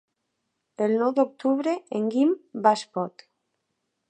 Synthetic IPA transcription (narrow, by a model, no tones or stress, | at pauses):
elnowd̪ok̚t̪uβɾeeŋɡimbaspot̪